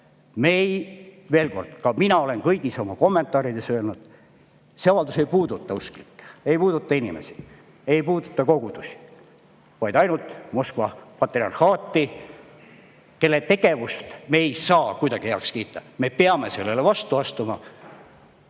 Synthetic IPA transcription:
me̞jve̞ːlko̞̰rd̪̥kɑminɑo̞le̞nkɤjɡ̥iso̞mɑko̞mːe̞nt̪ˑɑːɾid̪̥e̞søːlnud̪̥ | se̞ɑvɑld̪use̞jpuːd̪ut̪ːˑɑuskli̥kːejpuːd̪̥ut̪ːˑɑinḭmḛsi̥ | e̞jpuːd̪u̥t̪ˑːɑko̞ɡ̥ud̪̥usi̥ | vɑjd̪ɑjnult̪mo̞skvɑpɑt̪ːriɑ̰nhɑːt̪ːi | ke̞lːet̪e̞ɡe̞vust̪meːejsɑːkujd̪̥ɑɡiheɑkskiːt̪ˑːɑme̞peɑme̞se̞lːelevɑst̪uɑst̪umɑ̰

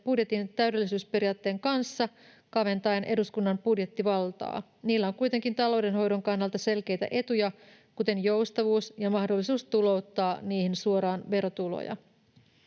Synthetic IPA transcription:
pudje̞t̪int̪æyɥde̞lːisyːspe̞rijɑːt̪ːe̞ːŋkɑnsːɑ | kɑʋe̞nt̪ɑjnʔe̞duskunːɑmbudje̞t̪ːiʋɑlt̪ɑ̰ː | niːlːæoŋkujt̪e̞ŋkint̪ɑlo̞wde̞nɦo̞jdo̞ŋkɑnːɑlt̪ɑse̞lk̟e̞jt̪æ̰ʔe̞t̪ujɑ | kut̪e̞njowst̪ɑʋuːsjɑmɑhdo̞lːisuːst̪ulo̞wt̪ːɑːniːhinsuo̞ɾɑːnʋe̞ɾo̞t̪ulo̰jɑ̰

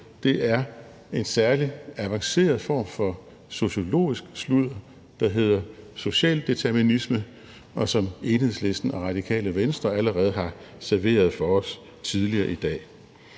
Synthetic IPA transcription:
d̥e̝ʔæɐ | e̝nsæɐliæʋɑ̈ŋse̝̰ːɐðˠfɒ̰ːmfɒ̽ | so̝ɕo̝lo̝̰ːisɡ̥sluð̰ˠɐ | d̥ɑ̈ɦe̝ð̞̰ˠɐso̝ɕɛ̰ːld̥et͡sʰæɐminismə | ʔɒ̽sɒ̽me̝ːnhe̝ðˠsle̝sd̥n̩ɒʁɑ̈d̥ikʰɛ̰ːləʋensd̥ʁɐæləʁɛːð̞̩ˠɦɑ̈sæɐʋe̝̰ːɐð̞̩ˠfɒ̽ɒ̽s | t͡sʰið̞ˠliɐːʔid̥ɛ̰ː

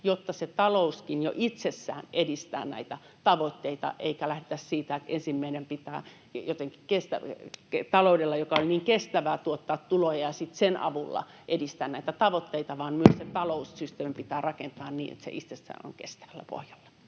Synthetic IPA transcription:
jot̪ːɑset̪ɑlouskinjo̰ʔit̪sesːæ̰ːnedist̪æ̰ːnæ̰it̪æ | t̪ɑʋot̪ːeit̪ɑ̰ʔeikælæhdet̪æssiːt̪æet̪ensimːæinempit̪æ̰ː | jot̪eŋki̥kest̪æket̪ɑloudelːɑjokɑolʲniːŋkest̪æʋæːt̪uot̪ːɑːt̪t̪ulojɑjɑsit̪senʔɑ̰ʋulːɑ̰ʔedist̪æːnnæit̪æt̪ɑʋot̪ːeit̪ɑʋɑːnmyøsset̪ɑloussyst̪eːmpit̪æːrɑkent̪ɑːnniːḛt̪sḛʔit̪sesːæ̰ːno̰ŋkḛst̪æ̥ʋælːæpo̰hjɑ̥lːɑ̥

